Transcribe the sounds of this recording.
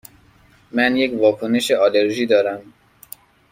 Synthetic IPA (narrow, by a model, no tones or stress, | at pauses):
mænje̞cvɒːkʰoneʃeɒːleɾʒiːd̪ɒːɾæm